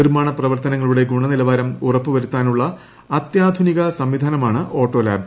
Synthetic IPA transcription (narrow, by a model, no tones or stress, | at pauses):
irmaːɳɐprɐʋɐrt̪ɐnɐŋːɐɭuɽe̞ɡuɳɐnilɐʋaːɾɐmurɐpːɨʋɐɾut̪ːaːnuɭːɐ | ɐt̪jaːd̪ʱuniɣɐsɐmʋid̪ʱaːnɐmaːɳɨʔo̞ːʈːo̞ːla̰ːb